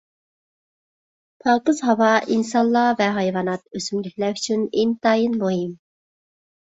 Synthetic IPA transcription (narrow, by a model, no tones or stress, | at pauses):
pʰɑːqəzɦɑwɑʔinsɑnlːˠɑvɛɦɑjvɑnɑt̪̚øsymlykʲlɛɾyt͡ʃʰynent̪ɑːjinmoɦim